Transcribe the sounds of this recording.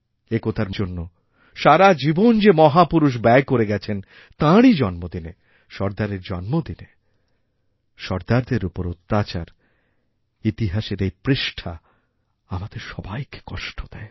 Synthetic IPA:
ekot̪ʰaɾd͡ʑonːo | ʃaɾad͡ʑibond͡ʑemɔɦapuɾuʃ̬bɛekoɾeɡɛt͡ɕʰen | t̪ãɽid͡ʑɔnmod̪ine | ʃɔɾd̪aɾeɾd͡ʑɔnmod̪ine | ʃɔɾd̪aɾd̪eɾupoɾot̪ːat͡ɕaɾ | it̪iɦaʃeɾejpɾeʃʈʰa | amad̪eɾʃɔbajke̥kɔʃʈʰod̪ɛe

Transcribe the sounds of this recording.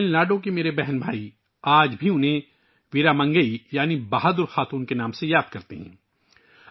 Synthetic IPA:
ɪlnaːɖõk̬imeːɾebɛɦɛnbʱaːi | aːd͡ʒbʱiʊnɦẽ | ʋɪːɾamɐ̃ŋɡəijaːnibaɦad̪ʊɾxaːt̪uːnkenaːmsejaːd̪̚kɐɾt̪iɦɛ̰̃ː

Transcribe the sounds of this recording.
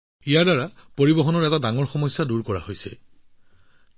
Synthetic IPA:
ijaɹdaɹapoɹibɔɦɔnɔɹɛtadaŋɔɹxɔmɔjsːaduɹkɔɹa̰hojsɛ̰

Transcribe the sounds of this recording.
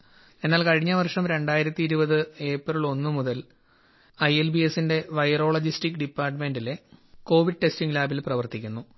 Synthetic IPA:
e̞nːaːlkɐɻiɲːɐʋɐrʂɐmɾe̞ɳɖaːjiɾɐt̪ːiːɾubɐðɨe̞ːprɐɭo̞nːɨmuðɐl | ɐjelbie̞sːinde̞ʋɐjɐro̞ːɭod͡ʑistikːɖipːaːrʈɐme̞nɖileko̞ːʋiɖɨʈe̞stiŋɡlaːbilprɐʋɐrt̪ikʲːunːu

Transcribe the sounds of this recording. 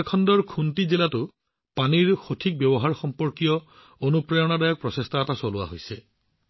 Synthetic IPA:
kʰɔndɔɹkʰuntizilatʊ | paniɹxotʰik̚bjɔbɔɦaɹxɔmpɔɹkijɔ | onupɹajɔnadajɔk̚pɹɔsestaatasolʊa̰ɦojsɛ

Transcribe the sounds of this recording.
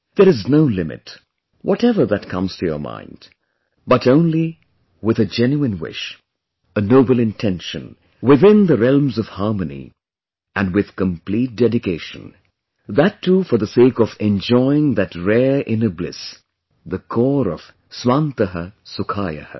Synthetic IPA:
ðə˞ɨznoʊlɪmɨ̰t | wʔɔɾɛvə˞ðɨtkʰʌ̃mz̥tʰɨjə̰˞mã̰ɪ̃nd̥ | b̥ʌɾõʊ̃nli | wɨðɨd͡ʒɛ̃njuɨ̃nwɪ̰ʃ | ənoʊbl̩ˠɨ̃ntʰɛ̃nʃɨ̃n | wɪðɪ̃nðɨɹɛlˠmzʌv̥hɑɹmɨnḭ | ʔɨ̃nwɪð̥kə̃mpl̥it̚d̥ɛdɨkʰeɪʃɨ̰̃n | ðɨtʰːufə˞ðəseɪkʌvɛ̃nd͡ʒɔɪɪ̃ŋðɨtɹɛɹʔɪ̃nəblɪ̰s | ðɨkʰɔɹʌv̥ | swãnt̪əɦəsʊkʰajɨ̰hə̰

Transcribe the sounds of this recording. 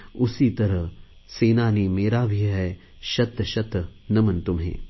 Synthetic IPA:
usiːt̪ɐɾə | seːnaːniːmeːɾaːbʱiɦɛ | ʃɐt̪ʃɐt̪nɐmɐnt̪umɦḛː

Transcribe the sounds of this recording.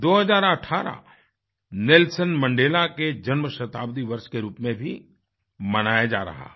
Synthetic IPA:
d̪oːɦɐzaːɾɐʈʰːaːɾa̰ | nɪlsənmɐ̃ɳɖeːlaked͡ʒɐnməʃɐt̪aːbd̪iʋɐɾʃkeɾuːpmẽbʱi | mɐnaːjad͡ʒa̰ːɾɐ̰ɦa̰ː

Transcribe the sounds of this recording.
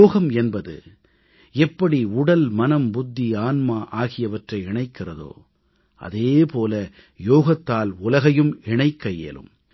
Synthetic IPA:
oːɣɐmɛnbɐðɯ̰ | ɛpːɐɽiʊɽɐlmɐnɐmbʊd̪ːiaːnmaːʔaːɣɪjɐʋɐʈrɐɪɪɳɐɪkːɪrɐðo̰ː | ʔɐ̰ðeːpoːlɐ | joːɣɐt̪ːaːlʊlɐɣɐjɯmɪɳɐɪkːɐjḛːlɯ̰m

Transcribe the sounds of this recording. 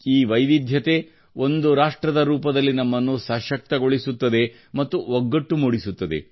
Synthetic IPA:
iːʋɐjʋ̪id̪ʱjɐt̪e̞ | o̞nd̪uɾaːʂʈɾɐd̪ɐɾuːpɐd̪ɐlːinɐmːɐnːuːsɐʃɐk̚t̪ɐɡo̞ɭisut̪ːɐd̪e̞ | mɐt̪ːuoɡːɐʈːumuːɽisut̪ːɐd̪e̞̰

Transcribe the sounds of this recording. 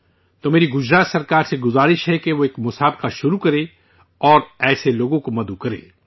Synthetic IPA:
t̪omeːɾiɡʊd͡ʒɾaːsɐɾkaːɾseɡʊzaːɾɪʃɦɛkeʋoeːkmʊsaːbqaʃʊɾukɐɾẽ | ɔːɾɛːseloːɡõkomɐd̪ukɐɾḛː

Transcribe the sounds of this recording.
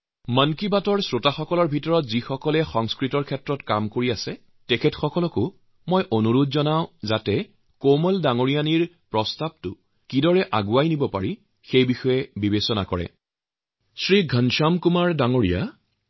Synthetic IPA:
mənkibatɔɹsɹotaxɔkɔlɔɹbʱitɔɹɔtzixɔkɔlɛxɔŋskɹitɔɹkʰɛtɹɔtkamkoɹiasɛ | tɛkʰɛtxɔkɔlɔkʊ | mojʔonuɹudzɔnaʊ̃zatɛ | komɔldaŋoɹijaniɹ | pɹɔstab̚tʊ | kidɔɹɛʔaɡuajnibɔpa̰ɹi | xejbixɔjɛbibesɔna̰kɔɹɛ̰ | sɹiɡʱənʃamkumaɹdaŋoɹija̰

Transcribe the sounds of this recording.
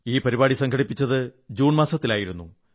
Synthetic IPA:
iːpɐɾibaːɽisɐŋkʰɐɽipːit͡ɕːɐðɨd͡ʑuːɳmaːsɐt̪ːilaːjiɾunːu

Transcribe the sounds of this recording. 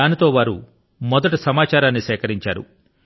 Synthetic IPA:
aːnit̪o̞ːʋaːɾu | mɔd̪ɐʈusɐmaːt͡ʃaːɾaːnːisɛːkɐɾiɲt͡ʃaːɾṵ

